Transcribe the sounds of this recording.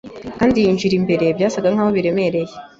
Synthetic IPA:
kaːndijiːnʒiɾimbe̞ɾe̞bɟaːsabɡaŋ̥aːwoβiɾe̞me̞ɾe̞je

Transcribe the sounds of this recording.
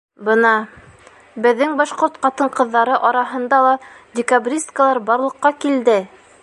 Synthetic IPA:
bɤnɑ | bɘ̆ðːɘŋbɑʃqoɾt̪qɑt̪ɤɴqɤ̆ðːɑɾɤʔɑɾɑɦɤ̆nd̪ɑlˠɑdʲɪkabrʲist̪kəlˠɑɾbɑɾlˠɤ̆qːɑkild̪ɘ

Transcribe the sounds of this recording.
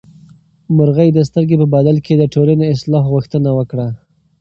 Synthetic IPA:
mʊɾɣəjd̪əs̬t̪əɾɡepəbɑd̪alkʰed̪əʈolaneɪslɑɦɣuxt̪ənawəkɽa

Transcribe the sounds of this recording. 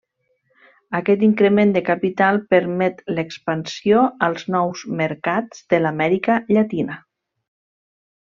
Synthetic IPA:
əkɛt̪iŋkɾəmend̪əkapit̪alˠpəɾmɛt̪ləkspənsioəlˠznɔwzməɾkad͡zd̪̥əlamɛɾikəʎat̪inə

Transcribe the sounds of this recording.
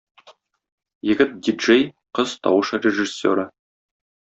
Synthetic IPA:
jɘ̆ɡʲɘt̪̚d̪ʲiʒej | qɤz̥t̪ɒ̰wɤʃrʲeʒɨsʲːo̰ɾə

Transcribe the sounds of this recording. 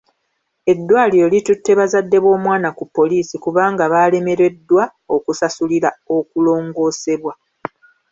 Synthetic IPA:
e̞dːwaːliɾo̞litutːe̞βazadːe̞βwo̞ːmwaːnakupːo̞liːsikuβaːŋɡaβaːle̞me̞ɾe̞dːwao̞kusasuliɾao̞kulo̞ːŋɡo̞ːse̞βwa

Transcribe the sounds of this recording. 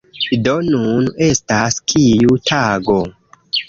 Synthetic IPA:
idonune̞staskʰijutʰaɡo̞

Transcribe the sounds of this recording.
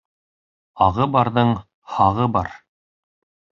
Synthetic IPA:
ɑʁɤbɑɾðɤɴ | hɑʁɤbɑɾ

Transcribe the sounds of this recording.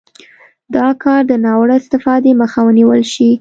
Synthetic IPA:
d̪̥ɑkɑɾd̪ənɑwɽaɪst̪ɪfɑd̪eməxawəniwəlʃi

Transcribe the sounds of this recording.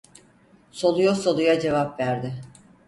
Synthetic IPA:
so̞lˠujoso̞lˠujad͡ʒe̞vapvæɾd̪ɪ

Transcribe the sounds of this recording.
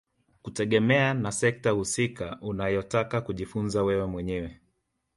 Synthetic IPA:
kutɛɠɛmɛanasɛk̚tahusikaʔunajɔtakakuʄifunzawɛwɛmwɛɲɛwɛ

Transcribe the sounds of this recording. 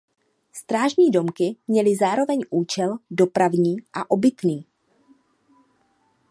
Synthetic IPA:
st̪ɾaːʒɲiːdo̞mkɪmɲɛlɪzaːɾo̞vɛɲʔuːt͡ʃɛldo̞pɾavɲiːʔaʔo̞bɪt̪niː

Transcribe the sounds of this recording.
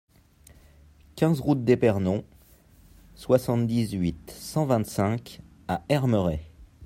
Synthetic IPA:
kʲɛ̃zʁut̪̚d̪epɛʁnɔ̃ | swasɑ̃t̪d̪izɥit̪sɑ̃vɛ̃t̪sɛ̃k | aɛʁməʁɛ

